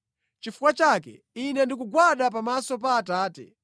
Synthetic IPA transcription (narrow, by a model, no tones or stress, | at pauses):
t͡ʃifukwat͡ʃakɛ̰ | inɛndik̬uɡwaɗap̬amasɔp̬aːtaːtɛ̰